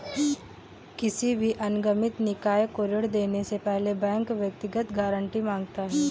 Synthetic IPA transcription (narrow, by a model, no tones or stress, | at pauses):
kɪsibʱiʔɐnɡəmɪt̪nɪkaːjkoːɾɪɽd̪eːnesepɛɦlebɛ̃ːŋkʋjɐk̚t̪ɪɡət̪ɡaːɾə̃ɳʈimãːŋɡ̚t̪aɦɛː